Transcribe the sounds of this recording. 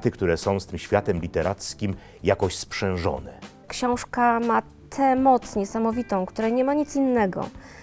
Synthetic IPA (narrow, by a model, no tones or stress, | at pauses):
t̪ɘkt̪uɾɛsɔ̃w̃st̪ɘmɕfʲjat̪ɛmlʲit̪ɛɾʔat̪skʲim | jakɔɕspʂɛ̃w̃ʐɔ̰nɛ̰ | kɕɔ̃w̃ʂkama | t̪ʰɛmɔt̪sɲɛsamɔvʲit̪ɔ̃w̃kt̪uɾɛɲɛmaɲit̪sinːɛɡɔ̰